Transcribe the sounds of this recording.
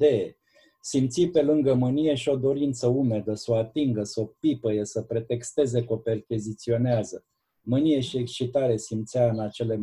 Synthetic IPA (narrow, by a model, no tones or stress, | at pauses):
d̪eje | simt̪sipe̞lɨŋɡəmɨnije̞ʃio̞d̪o̞ɾint̪səume̞d̪əsoat̪iŋɡəsopipəjesəpɾe̞t̪e̞kst̪e̞ze̞ko̞pe̞rkʲizit̪sio̞neazə | mɨnije̞ʃiekst͡ʃit̪aɾe̞simt̪siaɨnat͡ʃe̞le̞